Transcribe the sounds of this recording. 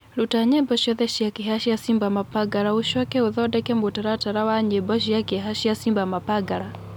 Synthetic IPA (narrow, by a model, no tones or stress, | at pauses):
lutaɲɛbɔʃɔðɛʃijakiɦaʃiasimbamapaɡaɾauʃɔkɛuðɔdɛkɛmbutaɾataɾawaɲɛbɔʃ̬ijakɛɦaʃiasimbamapaɡaɾa